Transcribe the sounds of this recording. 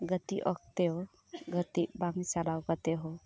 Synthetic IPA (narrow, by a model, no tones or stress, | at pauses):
ɡət̪iʔɔk̚t̪eo | ɡət̪ibamisalawɡət̪eɦo